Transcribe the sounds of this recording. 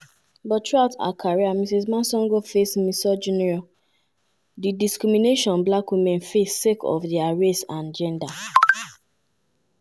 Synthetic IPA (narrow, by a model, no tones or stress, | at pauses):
bɔttɹuaʊta̰kʰaɹiamisismãnsɔ̃ŋɡofesmisɔd͡ʒunɛɹɔ | didiskɹimineʃɔ̃nblakwimɛ̃nfesːekɔ̰fdiaɹestãnd͡ʒɛ̃nda